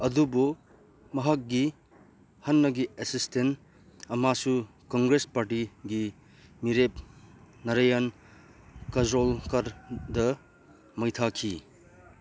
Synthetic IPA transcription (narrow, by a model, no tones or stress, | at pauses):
ɐdubu | mɐɦɐk̚ɡi | hɐnːɐɡiesisten | ɐmasu | kɔŋɡɾespaɾʈiɡi | miɾep̚ | nɐɾajan | kɐzɾolkaɾdɐ | mɐjtʰakʰḭ